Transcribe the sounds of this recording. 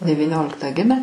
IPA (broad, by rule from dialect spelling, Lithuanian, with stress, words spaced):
dʲɛʋʲiːˈnʲoːlʲɪktɑː ˈɡʲɪmʲæː